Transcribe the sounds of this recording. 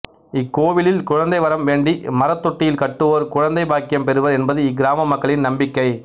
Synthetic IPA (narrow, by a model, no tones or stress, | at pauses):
ɪkːoːʋɪlɪlkʊɻɐnd̪ɐɪʋɐɾɐmʋeːɳɖimɐɾɐt̪ːɔʈːɪjɪlkɐʈːɯʋoːɾkʊɻɐnd̪ɐɪbaːkɪjɐmpɛɾɯʋɐɾɛnbɐðɯɪɡɪɾaːmɐmːɐkːɐɭɪnnɐmbɪkːɐɪ